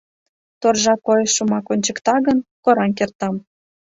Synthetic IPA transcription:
t̪orʒɑkojeʃːumɑkonʲt͡ɕə̆kt̪ɑɣənkoɾɑnk̬ert̪ɑm

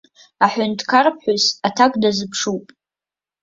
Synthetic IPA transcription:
aħʷʊntʰkʰarpʰħʷʊsatʰakʼdazɨpʰʂupʼ

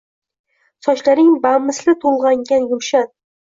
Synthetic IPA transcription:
sɒt͡ʃlaɾɪŋbamːɪslɪt̪ʰolˠʁɑŋɡʲanjʊmʃat̪

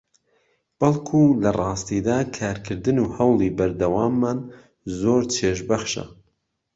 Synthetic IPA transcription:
b̥ɐlˠkʰulɐrˤɑːst̪id̪aːkʰaːɾkʰɨɾd̪ɨnuhɐwlˠibɐɾd̪ɐwaːmːaːn | zoːɾt͡ʃʰeːʃ̬bɐxʃɐ̰

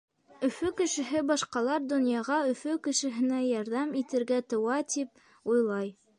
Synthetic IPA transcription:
ɵ̆fɵkɘ̆ʃɘ̆ɦɘbɑʃqɑlˠɑɾd̪ŏnjɑʁɑɵ̆fɵkɘ̆ʃɘ̆ɦɘ̆næjɑɾðɑmit̪ɘ̆ɾɡæt̪ŏwɑt̪ip̚ | ujlˠɑj

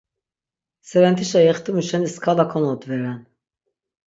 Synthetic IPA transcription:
sɛɾɛnt̪ʰiʃajɛχt̪imuʃɛniskʰalakʰɔnɔd̪vɛɾɛn

